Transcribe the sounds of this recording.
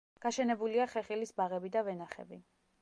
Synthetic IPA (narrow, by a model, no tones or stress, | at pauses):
ɡ̥aʃɛnɛbuliaχɛχilisbaʁɛbid̪avɛnaχɛ̰bi